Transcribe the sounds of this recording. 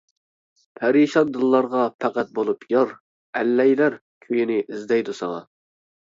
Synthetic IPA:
pʰɛɾiʃɑnd̪ɨlˠːɑɾʁɑpʰæqæt̪̚bolˠupʰjɑɾ | ɛlːɛjlæɾ | kʲʰøjinɪʔizd̪ɛjd̪usɑŋɑ̰

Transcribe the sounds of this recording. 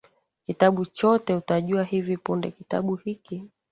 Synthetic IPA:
kitaɓut͡ʃɔtɛutaʄuahivipundɛkita̰ɓuhiki

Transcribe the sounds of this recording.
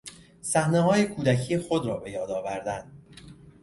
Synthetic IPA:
sæhneɦɒːje̞kʰuːd̪æcʰiːexo̞d̪ɾɒːbe̞jɒːd̪ɒːvæɾd̪ænd̪

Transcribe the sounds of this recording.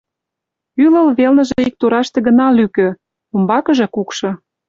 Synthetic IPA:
ylə̆lβelnə̆ʒĕik̚t̪uɾɑʃt̪ĕɣə̆nɑlykø̆ | umbɑkə̆ʒɤ̆kukʃɤ̆

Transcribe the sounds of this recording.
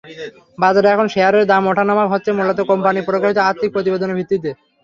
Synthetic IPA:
bad͡ʑaɾɛkʰonʃeaɾeɾd̪amɔʈʰanamakɦɔtːɕʰemulːat̪okompanipɾokːaʃit̪oaɾt̪ʰːik̚pɾot̪ibed̪onebʱit̪ːit̪e

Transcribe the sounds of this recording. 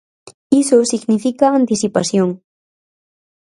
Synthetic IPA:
ɪsosɪɡnɪfɪkaːnt̪ɪsɪpasjoŋ

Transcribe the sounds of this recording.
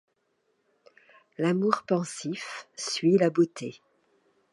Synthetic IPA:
lamuʁpɑ̃sifsɥilabot̪ʰe

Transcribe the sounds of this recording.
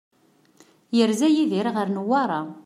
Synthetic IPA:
jəɾzæjiðiɾʁəɾnəwɑɾˤa

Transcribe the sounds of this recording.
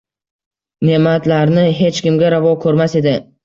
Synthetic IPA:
ne̞mat̪laɾnɪɦe̞t͡ʃkʲɪmɡʲaɾavɒkʰɵɾmase̞d̪ɪ

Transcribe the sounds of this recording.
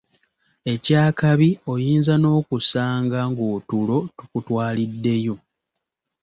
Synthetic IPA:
e̞caːkaβio̞jiːnzano̞ːkusaːŋɡaŋɡoːtulo̞tu̥kutwaːlidːe̞jo̞

